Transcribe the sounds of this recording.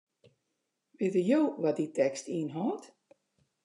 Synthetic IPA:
ʋɪːtəjoːʋɔditɛkstiənɦɔːt

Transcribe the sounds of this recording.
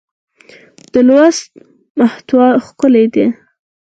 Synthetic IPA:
d̪̥əlwast̪̚ | maht̪wɑxkʊled̪e

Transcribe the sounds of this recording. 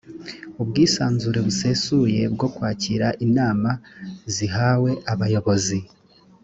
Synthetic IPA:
ubɡiːsaːnzuɾe̞βuse̞suje̞bɡo̞kwaːciɾaʔinaːmaziɦawe̞ʔaβajo̞βo̞zi

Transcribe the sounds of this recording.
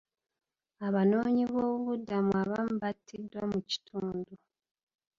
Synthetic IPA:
aβano̞ːɲiβo̞ːβuβudːamuaβamuβatʰːidwamuci̥tʰuːndu

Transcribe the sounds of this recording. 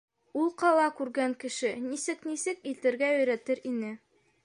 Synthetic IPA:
ulˠqɑlˠɑkʉɾɡæŋkɘ̆ʃɘnisɘknisɘkit̪ɘ̆ɾɡæɵ̆jɾæt̪ɘɾinɘ

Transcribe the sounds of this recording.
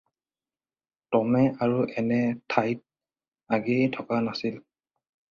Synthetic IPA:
tɔmɛaɹuʔɛnɛtʰajt̚ | aɡɛjtʰɔkanasil

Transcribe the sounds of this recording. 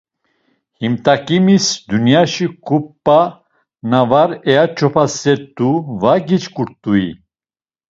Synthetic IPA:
himt̪ʼakʼimisd̪unjaʃikʰupʼːa | navaɾɛjat͡ʃʰɔpʰasɛɾt̪uvaɡit͡ʃkʼuɾt̪ʼui

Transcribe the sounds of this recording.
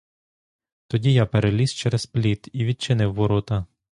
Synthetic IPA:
t̪ɔdʲijɑpeɾelʲist͡ʃɛɾɛzplʲit̪iʋʲid̪̚t͡ʃɪnɪwːɔɾɔt̪ɐ

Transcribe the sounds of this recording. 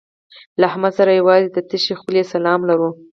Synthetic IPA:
laɦamɑsaɾajawɑzed̪ət̪əʃexulesalɑmlaɾu

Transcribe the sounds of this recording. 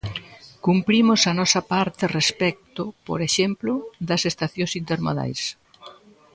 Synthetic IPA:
kumpɾimʊsɐnɔsɐpaɾt̪erespɛk̚t̪ʊpo̰ɾeʃemplʊðɐsest̪aθjõsint̪eɾma̰ða̰js

